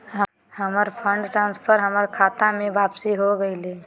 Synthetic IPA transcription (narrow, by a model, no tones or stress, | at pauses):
ɦ | ɦəməɾpʰə̃ɳɖʈɾãːnspʰəɾɦəməɾkʰaːt̪amẽʋaːpsiɦoɡəile